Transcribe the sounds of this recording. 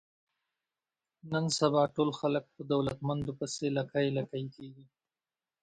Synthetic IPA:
nənsabɑʈolxalək̚pəd̪awlat̪mand̪opəselakajlakajkeɡi

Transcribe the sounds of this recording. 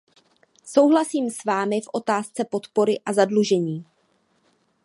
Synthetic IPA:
so̞wɦlasiːmsvaːmɪfʔo̞t̪aːst͡sɛpo̞t̪po̞ɾɪʔazadluʒɛɲiː

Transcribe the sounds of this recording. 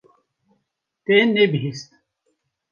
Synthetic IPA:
t̪enebiɦist̪

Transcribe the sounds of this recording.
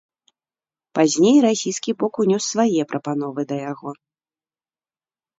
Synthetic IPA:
pazʲnʲejɾasʲijskʲibɔkunʲɔsːvajɛpɾʔɐpan̪ɔvɨd̪ɐjaɣɔ

